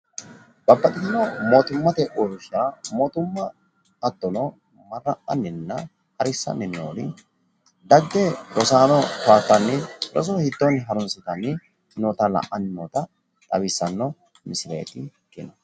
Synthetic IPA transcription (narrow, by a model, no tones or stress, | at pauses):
b̥ɐbːɐt̪ʼɪt̪ɐnɔmo̞ːt̪ʊmːɐt̪ɛʔoːɾʊʃamoːt̪ʊmːɐ | ɐt̪ːɔnɔ | mɐrːɐʔɐnːɪnːɐ̰ | hɐɾɪsːɐ̰nːɪnoːlɪ | d̪ɐɡːɛɾɔsaːnɔfaːt̪ːɐnːɪɾɔ̰s̬ɔhɪt̪ːɔnɦɐɾʊnsɪt̪ɐnːɪ | noːt̪ɐlɐ̰ʔɐnːɪnoːt̪ɐ | t̪ʼɐ̰bɪsːɐnːɔ | mɪsɪlḛːt̪ɪkɪnɐ